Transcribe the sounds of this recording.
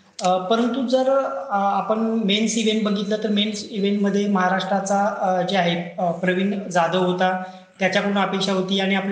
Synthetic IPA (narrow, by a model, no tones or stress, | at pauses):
əpəɾənt̪ud͡zəɾapəɳmensiʋeɳʈ̚bəɡʱit̪lət̪əɾmensiʋeɳʈməd̪ʱːjeməɦaɾaʂʈɾat͡sad͡ʑeaɦepɾəʋiɳd͡zad̪əɦot̪a | t̪jat͡ɕjapəɾuːnapekʂaɦot̪iːaɽ̃iap